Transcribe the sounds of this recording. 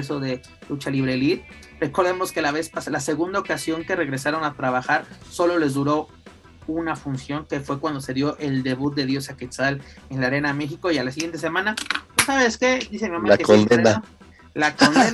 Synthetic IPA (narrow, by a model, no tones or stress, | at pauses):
s̬oðe̞ | lut͡ʃaliβ̞ɾe̞lit̪ | re̞ko̞ɾðe̞mo̞ske̞laβe̞spaslase̞ɣund̪aokasjo̞ŋke̞re̞ɣɾe̞saɾo̞nat̪ɾaβaxaɾso̞lo̞le̞zðuɾo̞ | unafunsjo̞ŋke̞fwe̞kwand̪o̞se̞ðjo̞ʔe̞ld̪e̞βut̪̚d̪e̞ðjo̞saket̪salenlaɾe̞name̞xiko̞ialas̬iɣjent̪e̞s̬e̞mãnapesaβeske̞d̪isemiamaakekod̪ea | lakone